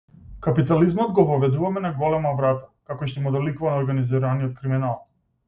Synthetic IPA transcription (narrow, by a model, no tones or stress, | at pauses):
kapit̪alizmɔd̪ɡɔvɔvɛd̪uvamɛnaɡɔlɛmavɾat̪ḁkakɔʃt̪ɔmud̪alikuvanaɔɾɡaniziɾaniɔt̪̚kɾiminalˠ